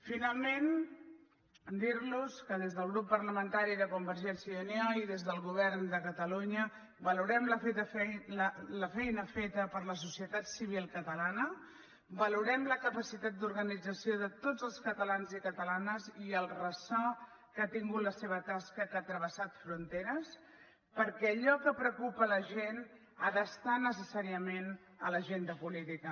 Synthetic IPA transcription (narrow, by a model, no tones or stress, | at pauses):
finalˠmen | d̪iɾluskəðezðəlˠɣɾupːəɾləmənt̪aɾiðəkumbəɾʒɛnsjəðunɔiðezðəlˠɣuβ̞ɛrnd̪əkət̪əluɲə | bəluɾɛmləfet̪əfələfɛjnəfet̪əpəɾləs̬usiət̪at̪siβ̞ilˠkət̪əlanə | bəluɾɛmləkəpəsit̪at̪̚d̪uɾɣənid͡zəsioðət̪od͡zəlˠskət̪əlanzikət̪əlanəziəlˠrəsɔ | kat̪iŋɡut̪ləseβ̞ət̪askəkat̪ɾəβ̞əsat̪fɾunt̪eɾəs | pəɾkɛːʎɔkəpɾəkupələʒen | aðəst̪anəsəsaɾiəmen | ə̰ləʒend̪əpulit̪ikə